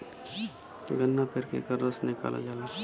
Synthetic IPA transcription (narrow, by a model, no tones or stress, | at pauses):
ɡənːapʰeɾkḛkəɾəsnɪka̰ːla̰d͡ʒala